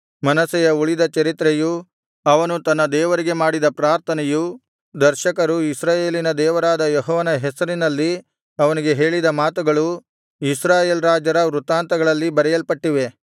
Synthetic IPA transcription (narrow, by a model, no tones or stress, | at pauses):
mɐnɐsɛjɐuɭid̪ɐt͡ʃɐɾit̪ɾeju | ɐʋɐnut̪ɐnːɐd̪ɛːʋɐɾiɡe̞maːɽid̪ɐpɾaːɾt̪ʰɐnɛju | d̪ɐɾʃɐkɐɾuisɾaːje̞ːlinɐd̪ɛːʋɐɾaːd̪ɐjɔɦɔːʋɐnɐɦɛsɐɾinɐlːi | ɐʋɐniɡe̞ɦe̞ːɭid̪ɐmaːt̪uɡɐɭu | isɾaːje̞ːlɾaːd͡ʒɐɾɐʋɾut̪aːnt̪ɐɡɐɭɐlːibɐɾɛjɐlpɐʈːiʋe̞